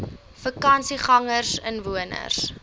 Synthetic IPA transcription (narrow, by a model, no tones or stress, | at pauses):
fəkɐnsiχɐŋərsənvuənə̰rs